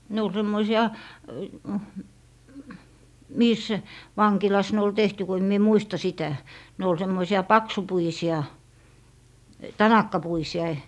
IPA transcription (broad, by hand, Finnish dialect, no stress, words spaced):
ne ol semːoisiɑ miːs ʋɑŋkilɑs ne ol tehty ko em mie muistɑ sitæ ne ol semːoisiɑ pɑksupuisiɑ tɑnɑkːɑpuisiɑ